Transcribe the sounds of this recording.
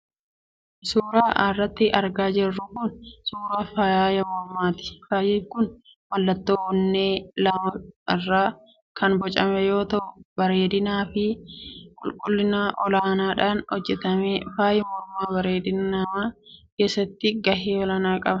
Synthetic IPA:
suːɾaːʔrːɐt̪ːɪʔɐɾɡaːd͡ʒɛrːʊkʊnsuːɾaːfajɐmɔɾmaːt̪ɪ̥faːjɛkʊn | wɐlːɐt̪ːoːwʊnːeːlɐmɐɪrːaː | kʰɐnbɔt͡ʃʼɐmɛjo̞ːt̪ɐʔʊbɐɾe̞ːd̪ɪnaːfɪkʼʊlkʼʊlːɪnaʔɔlaːnaːᶑaːnhɔd͡ʒːɛt̪ɐmeːfaːjɛmɔɾmaːbɐɾe̞ːd̪ɪnɐmaːkeːsːɐt̪ːɪɡɐɦeːwɔlɐnaːkʼɐbɐ

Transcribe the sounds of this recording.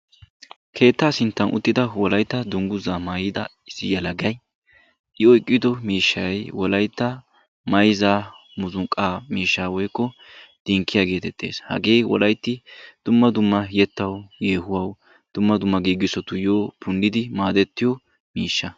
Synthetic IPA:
kʰe̞ːt̪ːaːsɪnt̪ːɐnʔʊ̰t̪ːɪd̪ɐwɔlɐjt̪ːɐd̪ʊŋɡʊzamaːjɪd̪ɐ̰ | ɪsːɪjɐlɐɡɐj | ʔɪɔjkʼːɪd̪ɔmiːʃːɐjwɔlɐjt̪ːɐ | mɐjzaː | mʊzʊŋkʼːaːmiːʃːaːwɔjkːɔ | d̪̥iŋkːɪjaɡe̞ːt̪ɛt̪ʼːe̞̰ːshɐ̰ɡe̞ːwɔ̰lɐjt̪ːɪd̪̥ʊmːɐd̪ʊmːɐjɛt̪ːɐwjeːɦʊwɐw | d̪̥ʊmːɐd̪ʊmːɐɡiːɡɪsɔt̪ʊjoːpʊndɪd̪ɪmaːd̪ɛt̪ːɪjɔ | miːʃːɐ

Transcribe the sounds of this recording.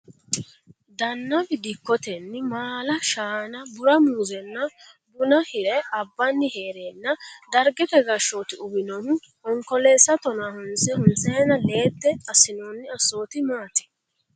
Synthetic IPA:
d̪ɐnːɐbɪd̪ɪkːɔt̪ɛnːɪmaːlɐʃaːnɐbʊɾɐmuːzɛnːɐ | bʊnɐhɪɾɛɐbːɐnːɪheːɾeːnːɐd̪ɐɾɡɛt̪ɛɡɐʃoːt̪ɪʊbɪnɔn | ɔŋkɔle̞ːsːɐt̪ɔnahʊnsɛhʊnt͡sɛjnɐle̞ːt̪ːɛɐsɪnoːnːɪɐsːoːt̪ɪmaːt̪ɛ̥

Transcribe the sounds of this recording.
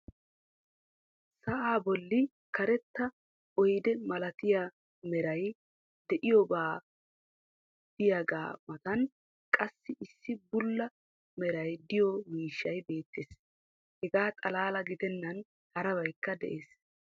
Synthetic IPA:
sɐʔaːbɔlːɪ | kɐɾɛt̪ːɐ | ɔjd̪ɛmɐlɐt̪ɪja | mɛɾɐj | d̪ɛʔɪjɔbaː | d̪̥ɪjaɡa̰ːmɐt̪ɐn | kʼɐsːɪʔɪsːɪbʊlːɐ | mɛɾɐjd̪ɪjɔwiːʃːɐjbe̞ːt̪ːeːs | hɛɡaːt̪ʼɐlaːlɐɡɪd̪ɛnːɐn | hɐɾɐβɐjkːɐd̪ɛ̰ʔe̞ːs

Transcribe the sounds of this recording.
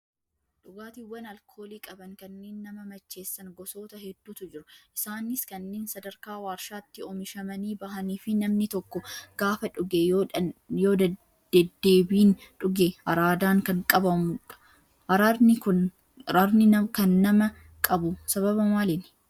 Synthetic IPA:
ᶑʊɡaːt̪iwːɐnɐlkʰo̞ːliːkʼɐbɐnkɐnːeːnːɐmɐmɐt͡ʃːe̞ːsːɐnɡɔso̞ːt̪ɐhɛd̪ːuːt̪ʊd͡ʒɪɾʊʔɪsaːnɪskɐnːeːnsɐd̪ɐɾkaːwaːɾʃaːt̪ːɪɔmɪʃɐmɐniːbɐɦɐniːfɪnɐmnɪt̪ɔkːɔɡ̥aːfɐᶑʊɡeojo̞ːd̪ɐ̥ | ɛd̪ːe̞ːbiːnᶑʊɡeɐɾaːd̪aːŋkɐŋkʼɐbɐmʊᶑɐ̥ | ʔɐɾanɪkʊn | ɾaɾnɪɐkɐnːɐmɐ | kʼɐbʊsɐβɐbɐmaːlɪn

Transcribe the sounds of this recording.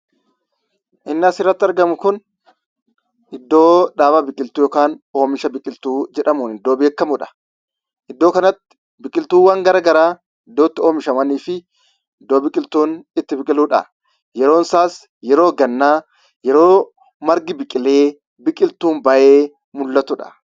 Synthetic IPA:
ʔɪnːɪɐsɪrːɐt̪ːɪɐɾɡɐmʊkʊn | ɪd̪ːo̞ːᶑaːbɐbɪkʼɪlt̪uːjɔkaːno̞ːmɪʃɐbɪkʼɪlt̪uːd͡ʒɛᶑɐmʊːnɪd̪ːo̞ːbe̞ːkːɐmʊᶑɐ̥ | ʔɪd̪ːo̞ːkɐnɐt̪ːɪ̥ | bɪkʼɪlt̪uːwɐŋɡɐɾɐɡɐɾaː | ɪd̪ːoːt̪ːɪoːmɪʃɐmɐniːfɪ | ɪd̪ːoːbɪkʼɪlt̪uːnɪt̪ːɪbɪkʼɪluːᶑɐ̰ | jɛɾo̞ːnsaːs | jɛɾo̞ːɡɐnːaː | jɛɾo̞ː | mɐɾɡɪbɪkʼɪle̞ː | bɪkʼɪlt̪uːmbɐʔeː | mʊlːɐt̪ʊᶑɐ̥̰

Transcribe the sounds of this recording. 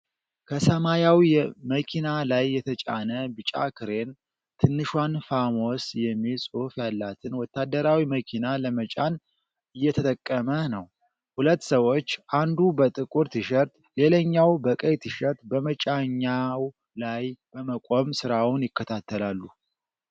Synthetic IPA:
kʰəsəmajawiməkʰinalajːɛt̪ʰət͡ʃʼa̰nəbɨt͡ʃʼa̰kʰɨɾe̞n | t̪ʰɨnːɨʃwanfamo̞sjɛmːilsʼufjalːat̪ʰɨnwɔt̪ːad̪ːəɾawiməkʰinaləmət͡ʃʼan | ɨjːɛt̪ʰət̪ʼəkʼːəmənəw | hulət̪ːsəwo̞t͡ʃːʔand̪ubət̪ʼɨkʼuɾt̪ʰɨʃəɾt̪ | le̞ləɲːawbəkʼəjt̪ʰɨʃəɾt̪bəmət͡ʃʼaɲːaw | lajb̥əməkʼo̞msɨɾawʊnjɪkːət̪ʰat̪ʰːəlalːu

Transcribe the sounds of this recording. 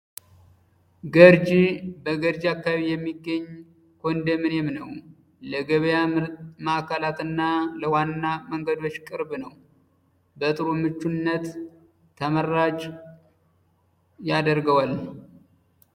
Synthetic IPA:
ɡəɾd͡ʒibəɡəɾd͡ʒakːaβijɛmːiɡːəɲː | kʰond̪əmɨnemnəw | ləɡəβəjaməʔakʰalat̪ɨnːaləwanːaməŋɡəd̪o̞t͡ʃːkʼɨɾbnəw | bət̪ʼɨɾomɨt͡ʃːunːət̪ʰː | əməɾat͡ʃ | jad̪əɾɡəwal

